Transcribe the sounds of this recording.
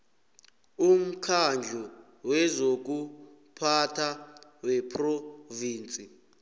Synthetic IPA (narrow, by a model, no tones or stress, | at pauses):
um̩kʰand͡ʒʱɔ | wɛzok̬u | pʰatʰawɛpʰroviːnt͡sʼi